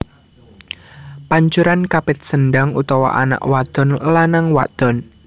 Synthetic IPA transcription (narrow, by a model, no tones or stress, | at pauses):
paɲt͡ʃuɾankapɪt̪̚sənɖaŋṵt̪ɔwa̰ʔa̰na̰ʔwad̪̥ɔ̤nlanaŋwa̰d̪̥ɔ̤n